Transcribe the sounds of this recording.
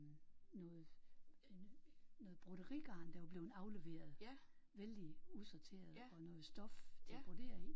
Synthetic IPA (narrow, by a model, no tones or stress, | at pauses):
nɔ̽ːð̩ˠ | nɔ̽ːð̩ˠb̥ʁuɾ̥əʁiɡ̥ɑ̈ːnd̥æʋɑb̥le̝ːʊn̩ɑ̈ʊle̝ʋe̝̰ːɐð̩ˠʋeld̥iusɒt͡sʰe̝̰ːɐðˠɒ̽nɔ̽ːð̩ˠsd̥ɒ̽ft͡sʰeb̥ʰod̥e̝̰ɐ̰eŋ